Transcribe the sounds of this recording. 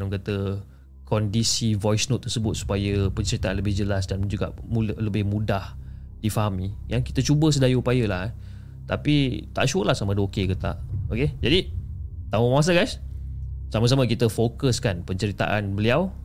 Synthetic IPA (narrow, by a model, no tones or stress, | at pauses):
əkat̪ə | kɔndisivɔjsnot̪ːərsəbʊt̪̚su̥pajəpəɲt͡ʃəɾit̪aʔanləbɪhd͡ʒəlasdand͡ʒuɡa̰ʔləbɪhmũdahdifaɦamijaŋki̥t̪ət͡ʃubəs̬ədajəupajəlah | t̪apit̪a̰ʔʃuəlahsamə̃dəokekət̪a̰ʔoked͡ʒadit̪amə̃mawas̬aɡajs | samas̬amə̃kit̪əfokəskanpəɲt͡ʃəɾit̪a̰ʔanbəliaw